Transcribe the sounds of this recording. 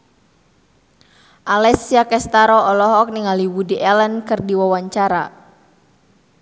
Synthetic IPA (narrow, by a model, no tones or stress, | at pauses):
ʔalɛsiakɛst̪aɾɔɔlɔɦɔk̚niŋaliwudiʔɛlənkɨrdiwawaɲt͡ʃaɾa